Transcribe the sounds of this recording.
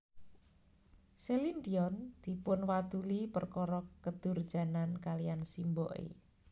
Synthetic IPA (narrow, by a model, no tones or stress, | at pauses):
selind̪iɔnd̪̥i̤pʊnwad̪̥ulipərkɔɾɔkəd̪̥ʊ̤rd̥ʒ̥a̤nankalijansimbɔʔḛ